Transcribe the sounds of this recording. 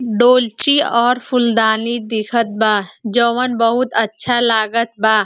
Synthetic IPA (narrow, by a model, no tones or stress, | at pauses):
ɖoːlt͡ʃiɔːɾpʰʊld̪aːnid̪ɪkʰət̪̚baːd͡ʒoːʋənbəɦʊt̪ɐtːʃʰalaːɡət̪̚baː